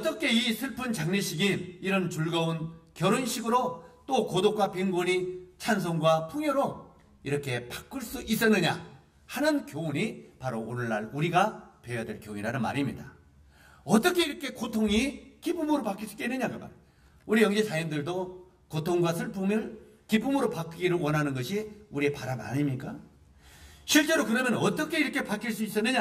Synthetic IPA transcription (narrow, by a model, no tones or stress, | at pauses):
ʌt͈ʌkʰe̞isʰɯɭpʰɯnt͡ɕaŋɲeɕʰiɡimiɾʌnt͡ɕuɭɡʌunkjʌɾunɕʰiɡɯɾot͈okodok͈̚wapiŋɡuɲit͡ɕʰans̬ʰoŋɡwapʰuŋjoɾo | iɾʌkʰe̞pḁk͈ɯɭs͈uʔis͈ʌnːɯɲa̰ | hanɯnkjouɲipaɾoonɯɭːa̰ɭuɾiɡapejadwe̞ɭkjoɲiɾanɯnma̰ɾimɲida | ʌt͈ʌkʰe̞iɾʌkʰe̞kotʰoŋikipʰumɯɾopak͈iɭs͈u̥k͈einːɯɲakɯka̰ | uɾijʌŋd͡ʑisʰajimdɯɭdo | kotʰoŋɡwasʰɯɭpoŋkip͈ʰːumɯɾopak͈iɡiɾɯɭwʌnɦanɯnɡʌɕʰiuɾiepaɾama̰ɲimɲik͈a | ɕʰiɭt͡ɕ͈e̞ɾokɯɾʌmjʌnʌt͈ʌkʰe̞iɾʌkʰe̞pak͈ʰiɭs͈uis͈ʌnːɯɲa